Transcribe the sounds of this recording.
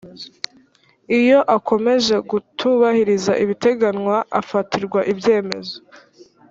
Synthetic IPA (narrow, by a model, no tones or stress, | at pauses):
ijo̞ʔako̞me̞ʒe̞ɡutʰuβahiɾizaʔiβite̞ɡanwaʔafatʰiɾɡwaʔibje̞ːme̞̰zo̞